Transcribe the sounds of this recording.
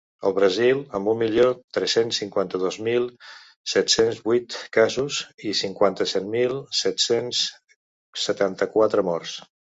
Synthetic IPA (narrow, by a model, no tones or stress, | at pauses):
əlˠβɾəzilˠəmbummːiʎot̪ɾɛsensːiŋkwant̪əðozmilˠ | sɛt̪senzβujt̪kazuzisiŋkwant̪əsɛt̪milˠsɛt̪sens | sət̪ant̪əkwat̪ɾəmɔrs